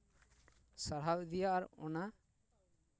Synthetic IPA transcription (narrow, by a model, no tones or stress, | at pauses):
saɾɦawd̪ijaʔɾɔ̰na